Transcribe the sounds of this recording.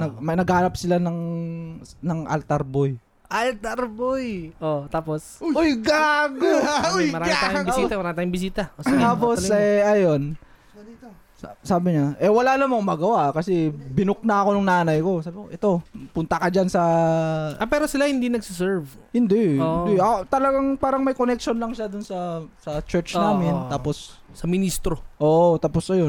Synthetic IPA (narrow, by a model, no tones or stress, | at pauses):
nɐmɐnɐɡhaːnɐp̚sɪlanɐŋ | nɐŋʔɐ̰lt̪ɐɾboj | ʔɐlt̪ɐɾbojʔot̪aːposojɡaɡoojmɐɾaasiːt̪amɐɾaːmɪt̪aːjʊ̃ŋbɪs̬iːt̪ɐost̪aːposɛʔɐjo̞n | saːbɪɲaʔɛwɐlaːlɐmɐŋʊmaːɡɐwaʔkɐsɛbɪnʊk̚nɐɐko̞nʊŋnaːnɐjko̞saːbɪkoʔɛt̪o̞pʊnt̪ɐkɐd͡ʒansɐ | ɐpɛːɾosɪlahɪnd̪inɐɡ̚sɪs̬ɛɹv | hɪnd̪ɛɪnd̪eɐt̪ɐlɐɡaŋpaːɾɐŋmɐjkonɛk̚ʃonlɐŋʃad̪ʊnsɐsɐt͡ʃɛɹt͡ʃːnaːmɪnt̪aːpossɐmɪnist̪ɾoʔoːʔot̪aːposɐjo